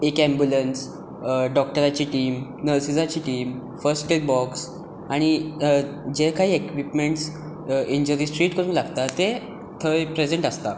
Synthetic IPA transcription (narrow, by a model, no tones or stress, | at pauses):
ekɛ̃mbjuləns | ɖɔk̚ʈəɾat͡ɕiːʈiːmnəɾsid͡zat͡ɕiːʈiːm | fəɾsʈʈek̚bɔks | aɽ̃i | d͡ʑekaɦiːekʋipmeɳʈs | iɲd͡ʑəɾiːsʈɾiːʈkəɾuːnlaɡt̪at̪e | t̪ʰəjpɾed͡zeɳʈəst̪a